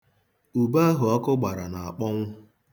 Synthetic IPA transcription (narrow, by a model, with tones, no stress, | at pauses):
u˨ba˦a˦ɦʊ˨ɔ˦kʊ˦ɡ͡ba˨ɾa˨na˨a˨k͡pɔ˦ŋʷʊ˦